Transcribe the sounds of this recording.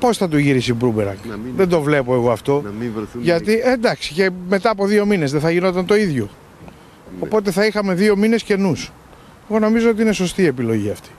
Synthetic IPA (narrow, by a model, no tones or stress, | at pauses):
po̞sθɐt̪̬oʝiɾisibɾubeɾɐ̰ŋɡðend̪o̞vle̞po̞eɣo̞ɐft̪o̞ʝɐt̪iend̪ɐksi̥ce̞me̞t̪ɐːpo̞ðio̞minezðeθɐʝino̞t̪ɐnt̪o̞iðʝo̞ | opo̞t̪e̞θɐixɐme̞ðio̞mine̞sce̞nus | e̞ɣo̞no̞mizo̞ot̪iine̞so̞st̪ie̞pilo̞ʝiɐft̪i̥